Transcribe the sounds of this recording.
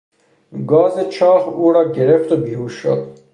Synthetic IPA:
ɡɒːzet͡ʃʰɑːhuːɾɒːɟeɾeft̪obiːhuːʃo̰d̪̥

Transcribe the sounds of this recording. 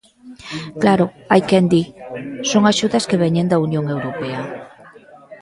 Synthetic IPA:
klaɾo | ajkend̪isoŋaʃuðɐskeβ̞ɛɲend̪aunjoŋewɾopea

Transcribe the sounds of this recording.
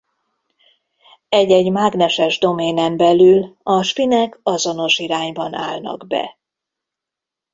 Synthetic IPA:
ɛɟɛɟmaːɡnɛʃɛʒd̪o̞meːnɛmbɛlylɒʃpinɛkʰɒzo̞no̞ʃiɾaːɲbɒna̰ːlnɒ̰ɡbɛ̰

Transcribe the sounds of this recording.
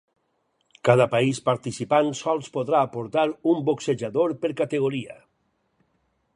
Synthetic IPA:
kaðapaispaɾt̪isipansɔlˠspoðɾaːpoɾt̪aɾumbokseʒaðoɾpeɾkat̪eɣ̞oɾia̰

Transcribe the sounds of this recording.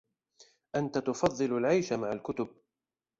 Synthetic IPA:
ʔant̪at̪ʊfɑðˤːɨlalʕajʃamaʕalkʊt̪ʊb̚

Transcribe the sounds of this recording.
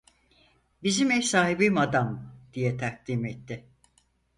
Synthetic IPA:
bizimɛsaːɦibimad̪amd̪̥ijɛt̪ʰak̚d̪imɛt̪ʰːɪ

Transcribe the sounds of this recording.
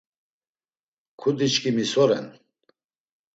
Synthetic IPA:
kʰud̪it͡ʃkʰimisɔɾɛ̰n

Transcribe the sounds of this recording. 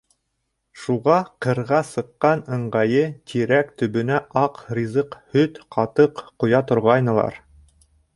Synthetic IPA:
ʃuʁɑqɤ̆ɾʁɑsɤ̆qːɑnɤ̆ɴɢɑjɤt̪ʰiɾækt̪ɵ̆βɵ̆næʔɑqrʲizɤqhɵt̪qʰɑt̪ɤqqŏjɑt̪ŏɾʁɑjnɤ̆lˠɑ̰ɾ

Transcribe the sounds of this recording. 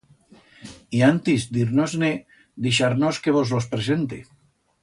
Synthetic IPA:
iant̪izd̪iɾnozne | d̪iʃaɾnoskeβ̞ozlospɾesent̪e

